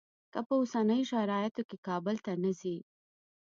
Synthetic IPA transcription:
kəpəosanəjoʃaɾɑjɪt̪okekɑbʊlt̪anazi

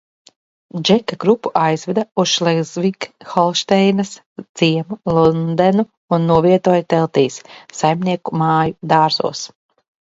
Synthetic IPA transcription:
d͡ʒɛkaɡɾupːuʔajzvɛd̪ausʃlˠɛɡzvikxɔlˠʃt̪ɛjnɐs | d̪z̥iɛmulˠund̪ɛnu | unːuɔviɛt̪uɔːjt̪ɛlˠt̪iːsːajmnʲiɛkumaːjud̪aːɾzṵɔs

